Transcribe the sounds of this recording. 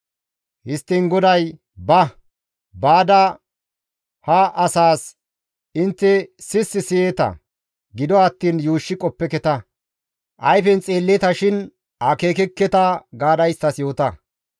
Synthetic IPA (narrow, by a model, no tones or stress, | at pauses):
hɪst̪ːɪnɡɔd̪ɐj | bɐ | baːd̪ɐ | hɐʔɐsaːs | ɪnt̪ːɛsɪsːɪsɪjeːt̪ɐ̰ | ɡɪd̪ɔɐt̪ːiːnjuːʃːɪkʼɔpːɛkɛt̪ɐ | ʔɐjfɛnt͡sʼeːlːɛt̪ɐʃɪn | ʔɐkeːkɛkːɛt̪ɐɡaːd̪ɐjst̪ɐsjo̞ːt̪ɐ